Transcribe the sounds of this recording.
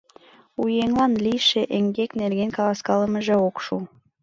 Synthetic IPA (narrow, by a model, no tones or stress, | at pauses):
ujeŋlɑnlijʃeʔeŋɡeknerɣenkɑlɑskɑləməʒĕokʃu